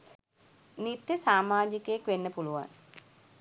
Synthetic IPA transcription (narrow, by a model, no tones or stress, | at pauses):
nit̪jəsaːmaːd͡ʒikəjekʋenːəpuluʋa̰n